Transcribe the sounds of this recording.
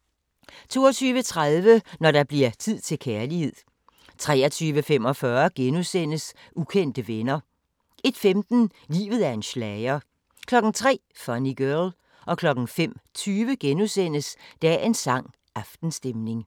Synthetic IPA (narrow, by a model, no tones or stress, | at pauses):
t͡sʰo̝ːɒt͡sʰyːʋət͡sʰʁaðˠʋənɒɾɑ̈b̥liɐ̰t͡sʰið̰ˠt͡sʰe̝lkʰæːɐlihe̝ð̰ˠ | t͡sʰʁɛ̰ːɐt͡sʰyːʋəfem̰ɒ̽fɶɐɡ̥enusen̰əs | ukʰen̰d̥əʋenɐ | ʔe̝d̥femd̥n̩lḭːʋð̩ˠæɐe̝nɕlɛɪɐ | kʰlɒ̽ɡ̥ŋ̩t͡sʰʁɛ̰ːfɒniɡ̥œl | ʔɒ̽kʰlɒ̽ɡ̥n̩fem̰t͡sʰyːʋəɡ̥enusen̰əsd̥ææɐe̝nsɑ̈ŋ̰ | ɑ̈fd̥n̩sd̥emne̝ŋ